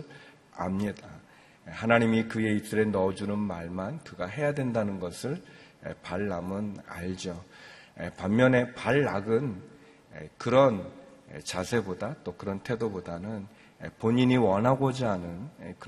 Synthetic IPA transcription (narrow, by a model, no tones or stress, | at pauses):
a̰mɲida | ehanaɲimikɯje̞it͈ɯɾe̞nʌd͡ʑunɯnmaɭmankɯɡaɦe̞jadwendanɯnɡʌsʰɯɭḛpaɭːamɯna̰ʎd͡ʑo | ḛpammjʌne̞paɭːaɡɯn | ḛkɯɾʌnḛt͡ɕasʰe̞bodat͈okɯɾʌntʰe̞dobodanɯn | epoɲiɲiwʌnɦaɡod͡ʑianɯnekɯ